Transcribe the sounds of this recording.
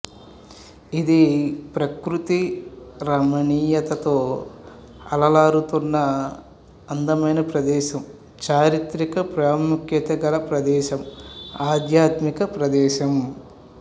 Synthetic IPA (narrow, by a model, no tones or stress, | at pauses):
id̪ipɾɐkɾut̪iɾɐmɐniːjɐt̪ɐt̪oː | ɐlɐlaːɾut̪unːɐ | ɐnd̪ɐmɐjnɐpɾɐd̪ɛːʃɐm | t͡ʃaːɾit̪ɾikɐpɾaːmukjɐt̪ɐɡɐlɐpɾɐd̪ɛːʃɐmaːd̪jaːt̪mikɐpɾɐd̪ɛːʃɐm